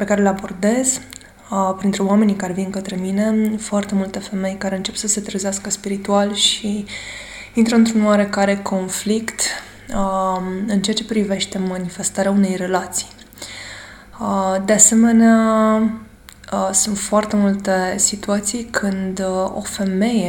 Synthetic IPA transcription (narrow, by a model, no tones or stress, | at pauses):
pe̞kaɾelabo̞rd̪e̞z̥ | pɾint̪ɾuwame̞nikaɾevinkət̪ɾe̞mine̞foart̪e̞mult̪e̞fe̞me̞jkaɾe̞ɨnt͡ʃe̞psəse̞t̪ɾezeaskəspiɾit̪ualʃi | int̪ɾəɨnt̪ɾunwaɾe̞kaɾe̞kʰo̞nflikt̪ | ɨnt͡ʃeat͡ʃe̞pɾive̞ʃt̪e̞manife̞st̪aɾeaune̞jre̞lat̪si̥j | d̪e̞ase̞me̞nea | sunt̪foart̪e̞mult̪e̞sit̪uat̪sijkʰɨnd̪o̞̰fe̞me̞je